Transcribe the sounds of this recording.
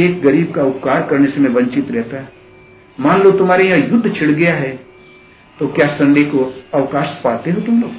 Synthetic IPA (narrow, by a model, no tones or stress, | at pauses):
eːk̚ɡɐɾiːb̚kaʊp̚kaːɾkɐɾnesemẽbɐ̃ɲt͡ʃɪt̪ɾɛɦt̪aɦɛ | mãːnlot̪ʊm̤aːɾejãjʊd̪ʱːt͡ʃʰɪɽɡɐjaɦɛː | t̪okjaːsɐ̃ɳɖekoɐʋkaːʃpaːt̪eɦot̪ʊmloː